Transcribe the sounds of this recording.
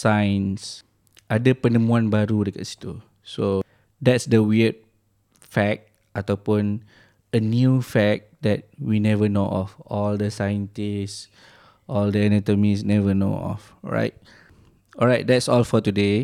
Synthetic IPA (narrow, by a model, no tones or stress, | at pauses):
sãjə̃ns | ʔadəpənə̃mũãnbaɾudəka̰tsi̥t̪u | so | dɛtsdəwiət̚ | fɛk̚ | at̪awpũn | ənjufɛk̚dɛt̚winɛvənoʔɔfɔldəsajə̃ntis | ʔɔldəɛnɛtomisnɛvəno̰ɔ̰f | ɹa̰ɪt̚ | ʔɔɹajt̚dɛtsɔlfɔtude